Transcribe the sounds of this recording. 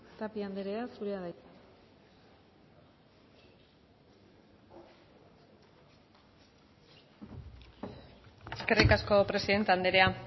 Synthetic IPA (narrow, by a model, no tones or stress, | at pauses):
t̪apiand̪eɾeasuɾeaða | eske̞rikasko̞pɾe̞siðe̞nt̪eand̪e̞ɾe̞a